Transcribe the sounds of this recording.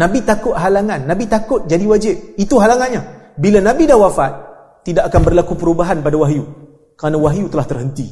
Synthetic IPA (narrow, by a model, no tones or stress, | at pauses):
nãbit̪akʊt̪̚ɦalaŋãnːãbit̪akʊt̪̚d͡ʒadiwad͡ʒɪp̚it̪uɦalaŋanɲabilanãbidahwafat̪̚ː | idaʔakanbərlakupəɾubaɦanpadawaɦju | kəɾanawaɦjut̪əlaht̪ərɦənt̪i